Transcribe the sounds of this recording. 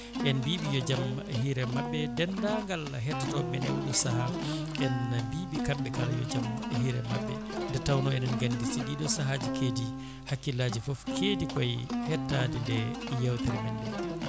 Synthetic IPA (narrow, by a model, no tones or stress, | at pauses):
ʔɛnbiːɓijɔd͡ʒam | hiɾɛmabːɛdɛndaŋɡalaɦɛtːatɔmɛnɛ̰wɗɔsaɦa | ʔɛnːabiːɓikamɓɛkaljɔ̰d͡ʒamhiɾɛ̰ma̰bːɛ̰ | dɛtawnɔɛnunɡandisidiɗɔsaɦad͡ʒikʰeːdi | hakːilaːd͡ʒifɔfkʰedikɔjhɛtːadindɛjawtɛɾmɛndɛ